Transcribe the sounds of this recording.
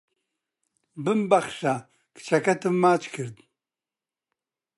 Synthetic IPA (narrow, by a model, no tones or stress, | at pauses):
bɨmbaχʃa | kt͡ʃʰakʰat̪ʰɨmːaːt͡ʃʼkʰɨɾd̪